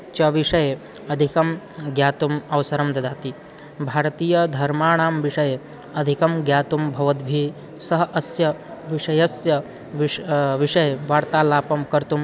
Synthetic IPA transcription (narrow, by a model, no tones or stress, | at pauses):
t͡ʃɐʋiʂɐje | ɐd̪ʱikɐm | ɡjaːt̪umɐʋsɐɾɐmd̪ɐd̪aːt̪i | bʱaːɾt̪iːjɐd̪ʱɐɾmaːɽ̃aːmʋiʂɐje | ɐd̪ʱikɐmɡjaːt̪umbʱɐʋɐd̪bʱiː | sɐɦɐʔɐsjɐʋiʂɐjɐsjɐ | ʋʋiʂɐjʋaːɾt̪aːlaːpɐmkɐɾt̪um